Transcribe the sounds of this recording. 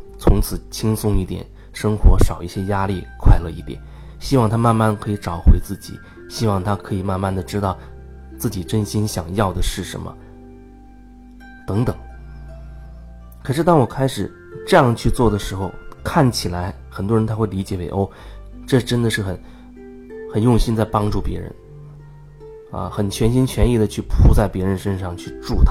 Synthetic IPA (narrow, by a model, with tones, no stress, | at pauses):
t͡sʰʊ˧˥ŋt͡sʰɹ̩˨˩t͡ɕʰi˥ŋsʊ˥ŋi˥˩t̪jɛ̰˨˩˦n | ʂɤ˥ŋxwɔ˧˥ʂɑ˨˩ʊi˥˩ɕjɛ˥ja˥li˥˩kʰwa˥˧ɪlə˧ḭ˥˩p̪jɛ̰˥˩n | ɕi˥wɑ˥˩ŋt̪ʰa˥ma˥˧nma˥˩nkʰɤ˧˥i˧˥ʈ͡ʂɑ˨˩ʊxwe˧˥ɪt͡sɹ̩˥˩t͡ɕḭ˨˩˦ | ɕi˥wɑ˥˩ŋt̪ʰa˥kʰɤ˧˥i˨˩ma˥˧nma˥˩nd̪ə˩ʈ͡ʂɻ̩˥t̪ɑ˥˩ʊ | t͡sɹ̩˥˩t͡ɕi˨˩ʈ͡ʂə˥˧nɕi˥nɕjɑ˨˩ŋjɑ˥˩ʊd̪ə˩ʂɻ̩˥˩ʂə̰˧˥mə̰˧ | t̪ɤ˧˥ŋt̪ɤ˨˩˦ŋ | kʰɤ˨˩ʂɻ̩˥˩t̪ɑ˥ŋwɔ˨˩kʰa˥ɪʂɻ̩˨˩ | ʈ͡ʂɤ˥˧jɑ˥˧ŋt͡ɕʰy˥˧t͡swɔ˥˩d̪ə˩ʂɻ̩˧˥xo˧ʊkʰa˥˩nt͡ɕʰi˨˩la˧˥ɪ | xə˨˩nt̪wɻə˧˥nt̪ʰa˥xwe˥˩ɪli˧˥t͡ɕjɛ˨˩we˧˩ɪʔo˥˩ʈ͡ʂɤ˥˧ʈ͡ʂə˥nd̪ə˨˧ʂɻ̩˥˩xə˨˩˦n | xə˨˩njʊ˥˩ŋɕi˥nt͡sa˥˩ɪpɑ˥ŋʈ͡ʂu˥˩pjɛ̰˧˥ɻə̰˧˥n | ɐ̰˧xə˨˩nt͡ɕʰɥɛ˧˥nɕi˥nt͡ɕʰɥɛ˧˥ni˥˩d̪ə˩t͡ɕʰy˥˩pʰu˧˥t͡sa˥˩ɪpjɛ˧˥ɻə˧˥nʂə˥nʂɑ˥˧ŋt͡ɕʰy˥˧ʈ͡ʂu˥˩t̪ʰa˥